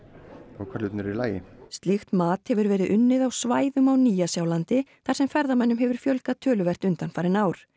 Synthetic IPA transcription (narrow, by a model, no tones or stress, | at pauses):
awkʰvaɾlʏt̪nʏɾilaːjɪst̪lɪxt̪maːt̪hɛvʏɾvɛːɾɪðʔʏnːɪðawsvaːjðʏmawniːjasjawlant̪ɪθaɾ̥sɛmfɛɾðamɛnːʏmɦɛvʏɾ̥fjœlkat̪ʰœːlʏvɛr̥t̪ʏnt̪anfajɾɪnaːwɾ̥